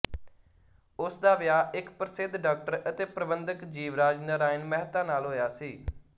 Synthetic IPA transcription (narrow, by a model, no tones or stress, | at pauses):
ʊsd̪aːʋɪjaːɪkpɾəsɪd̪ɖaːk̚ʈəɾət̪eːpɾəbənd̪əkd͡ʒiːʋɾaːd͡ʒnəɾaːɪnmɛɦt̪ãːnaːlɦoːjaːsiː